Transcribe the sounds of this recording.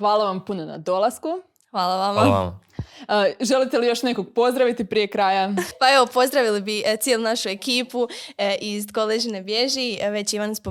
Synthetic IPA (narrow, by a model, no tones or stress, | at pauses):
xʋaːlˠaʋampunona̰d̪o̞lˠasku | xʋaːlˠaʋama̰ | ʒe̞lit̪e̞lijo̞ʃnekoɡ̚po̞zd̪ɾaʋit̪ipɾije̞kɾaːjapae̞ʋo̞po̞zd̪ɾaʋilibit̪sjelunaʃue̞kiːpuʔizɡolˠeʒinebje̞ʒiʋe̞t͡ɕiʋanspo